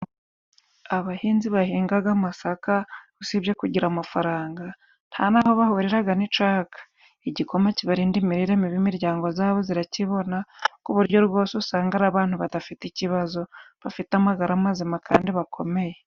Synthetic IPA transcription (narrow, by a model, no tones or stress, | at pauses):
aβahiːnziβahiːŋɡaɡamasakausibjekuɟiɾamafaɾaːŋɡa | n̥ha̰naho̞βahuɾiɾaɡanit͡ʃaːkḁ | iɟiko̞maciβaɾiːndimiɾiɾemiβimiɾɟaːŋɡo̞zaːβo̞ziɾaciβo̞nakuβuɾɟo̞ɾɡwo̞ːsusaːŋɡaɾaβaːn̥huβadafiticiβazo̞βafitamaɡaɾamazimakʰa̰ːndiβakʰo̞me̞je